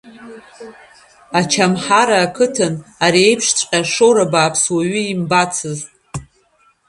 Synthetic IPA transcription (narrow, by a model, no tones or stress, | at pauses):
at͡ʃʰamħaɾaːkʰɨtʰɨnaɾiejpʰʂt͡ʃʷʼqʲʼaʂowɾabaːpʰswaɥʏimbat͡sʰɨztʼ